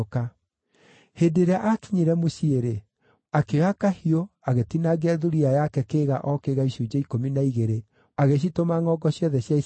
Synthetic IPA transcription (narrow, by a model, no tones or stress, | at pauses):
ka | hedeɾeaʔaki̥ɲiɾɛmoɕieɾe | akeɣakahioaɣetinaɡeaðuɾiajakɛkeːɣaʔɔkeɣaiɕud͡ʒaikominaiɣeɾe | aɣeɕ̬itomaŋɔɡɔɕjɔðɛɕjai